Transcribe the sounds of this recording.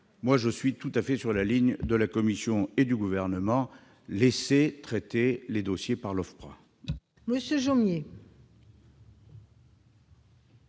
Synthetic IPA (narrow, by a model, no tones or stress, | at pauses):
mwaʒəsɥit̪ut̪afɛsyʁlaliɲd̪əlakɔmisjɔ̃ed̪yɡuvɛʁnəmɑ̃ | leset̪χɛt̪eled̪ɔsjepaʁlɔfpʁã̰ | məsjəʒomje